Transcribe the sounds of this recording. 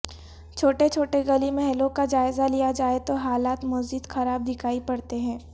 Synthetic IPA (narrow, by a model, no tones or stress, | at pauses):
t͡ʃʰoːʈet͡ʃʰoːʈeɡɐlimɛɦɛlõkad͡ʒaːɪzalijad͡ʒaːet̪oɦaːlaːt̪mɐzd͡ʒɪd̪xɐɾaːb̚d̪ʱɪkʰaːipɐɽt̪eɦɛ̃ː